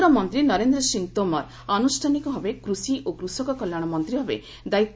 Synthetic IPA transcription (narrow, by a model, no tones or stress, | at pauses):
ɾɔmɔnt̪ɾinɔɾend̪ɾɔsiŋt̪omɔɾ | anusʈʰanikɔɦɔbekɾusiʔokɾusɔkɔkɔlːjaɽ̃ɔmɔnt̪ɾibʱɔbḛ | d̪aitː